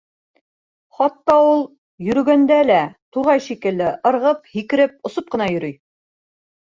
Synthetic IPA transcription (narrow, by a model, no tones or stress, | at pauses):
χɑt̪ːɑulˠ | jɵ̆ɾɵ̆ɡænd̪ælæt̪uʁɑjʃikɘ̆lːɘʔɤ̆ɾʁɤp̚hikɘ̆ɾɘp̚ŏsop̚qɤ̆nɑjɵ̆ɾyj